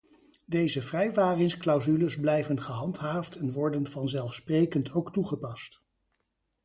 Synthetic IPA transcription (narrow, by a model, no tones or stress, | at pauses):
dejzəvrɛjʋaːrɪŋsklɑwzyləzblɛjvənχəɦɑntɦaːftɛnʋɔɹdənvɑnzɛlˠfsprejkəntʰowktuχəpɑst